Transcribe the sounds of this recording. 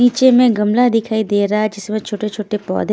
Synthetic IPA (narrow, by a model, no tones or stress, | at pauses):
iːt͡ʃemẽɡɐmlad̪ɪkʰaːid̪eːɾaad͡ʒɪsmẽt͡ʃʰoːʈet͡ʃʰoːʈepɔ̰ːd̪ʱ